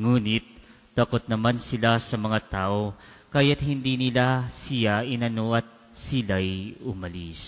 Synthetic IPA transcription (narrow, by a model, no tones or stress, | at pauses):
ŋuːnɪt̪̚ː | ɐkot̪̚nɐmansɪlasɐmɐŋat̪aːʔo̞ | kɐjat̪ɦɪnd̪inɪlasɪjaʔɪnɐnoʔɐt̪̚ | sɪlajʊmɐlis